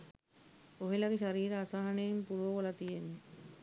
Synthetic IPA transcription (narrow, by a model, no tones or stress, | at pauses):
oɦelɐɡeʃaɾiːɾɐːsaɦɐneimpuɾʋoʋolɐt̪ijenːe